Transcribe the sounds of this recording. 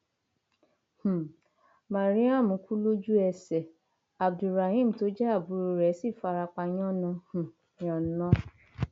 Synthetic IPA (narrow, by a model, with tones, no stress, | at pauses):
h̩˨ | mã˨ɾĩ˨˦ã˦˨mũ˨˦kʰu˦lo˦d͡ʒu˦ɛ˧˨sɛ˨ | a˨bdu˨ɾa˨hĩ˦˨m̩˨to˨˦d͡ʒɛ˦a˦˨bu˨˦ɾo˧ɾɛ˨˦si˦˨fa˧ɾa˧k͡pa˧j̃ɔ̃˦nɔ̃˧˦hũ˨ | ɔ̃˨nɔ̃˦